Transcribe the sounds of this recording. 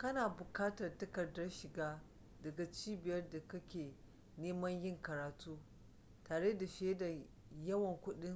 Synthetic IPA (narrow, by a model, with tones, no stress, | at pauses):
kɐ˦naː˨bʊ˨kaː˦tɐ˨rtɐ˦kɐ˨dɐ˦rʃɪ˨ɡaː˦ | dɐ˨ɡa˨t͡ʃiː˦bɪ˨jɐ˦rda˨kɐ˦kʲeː˨ | neː˦mɐ˦ɲjɪ˦ŋkɐ˨ɾaː˨tuː˦ | taː˨ɽeː˦da˨ʃeː˦da˨ | jɐ˦wɐ˨ŋkʷʊ˦ɗɪ˦ŋ